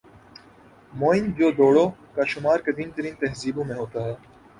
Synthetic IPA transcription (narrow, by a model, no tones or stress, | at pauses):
moːɪnd͡ʒoːd̪oːɽoːkaʃʊmaːɾked̪ĩːnt̪əɾiːnt̪ɐɦziːbõmẽɦoːt̪aːɦɛː